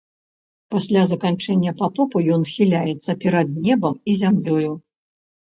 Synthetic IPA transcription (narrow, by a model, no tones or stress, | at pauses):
pasʲlʲazɐkant͡ʂɛnʲːɐpat̪ɔpujɔnxʲilʲajɛt̪sːɐpʲɛɾɐd̪̚nʲɛbɐmizʲamlʲɔju